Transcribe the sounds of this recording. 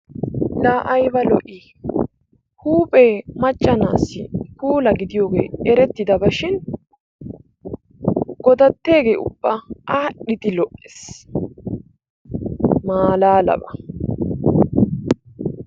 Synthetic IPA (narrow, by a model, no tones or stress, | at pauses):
laːʔɐjbɐlɔʔi | huːpʼeːmɐt͡ʃʼːɐna̰ːsːɪ̰huːlɐɡɪd̪ɪjo̞ːɡḛːɛɾɛt̪ːɪd̪ɐbɐʃɪn | ɡɔd̪ɐt̪ːe̞ːɡe̞̰ːʔʊ̰bːɐaɗɪt̪ɪlɔʔes | maːlaːlɐ̰bɐ